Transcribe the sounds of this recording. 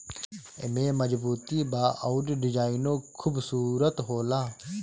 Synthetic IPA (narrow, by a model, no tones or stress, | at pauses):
ḛmẽːmɐd͡ʒbuːt̪iːbaːʔauɖɖɪd͡ʒaːinoːkʰubsuːɾət̪ɦoːlaː